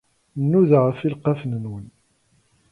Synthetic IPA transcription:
nːuðʁəfilqafnənwən

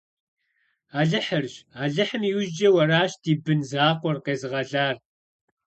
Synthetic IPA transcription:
aːɮɨħərɕaːɮɨħəmiwd͡ʒɐwɐraːɕd̥iːbɨnzaːqʷɔrqeːzɨʁɐɮaːr

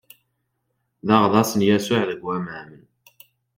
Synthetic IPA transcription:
ðɑʁðɑsənjæsʊʕðəɡwæməʕmən

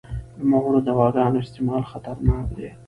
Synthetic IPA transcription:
mahuɾod̪awɑːɡɑːnoɪst̪ɪmɑːlxat̪aɾnɑːkd̪e

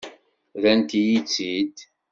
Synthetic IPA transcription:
ðænt̪ijit͡sːid̪

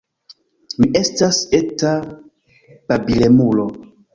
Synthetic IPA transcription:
miʔe̞staseta | pabile̞mulo

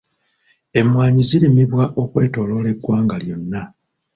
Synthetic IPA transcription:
e̞mwaːɲizilimiβwaʔo̞kwe̞ːto̞ːlo̞le̞ɡːwaːŋɡaljo̞nːa

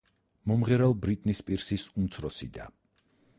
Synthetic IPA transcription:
mɔmʁɛɾɛlˠbɾit̪ʼnispʼiɾsisumt̪sʰɾɔsid̪a̰

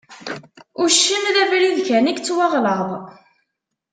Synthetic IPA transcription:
ʊɾʃːəmðævɾiðçænikt͡sːwɑʁləðˤ

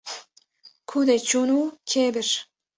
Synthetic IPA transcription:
kʰud̪et͡ɕunukʲʰebɘ̆ʃ

